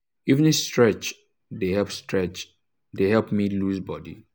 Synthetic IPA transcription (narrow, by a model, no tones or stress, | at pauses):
iṽnistɹɛt͡ʃ | dehɛlpstɹɛt͡ʃ | deɦɛlpmiluzbɔdḭ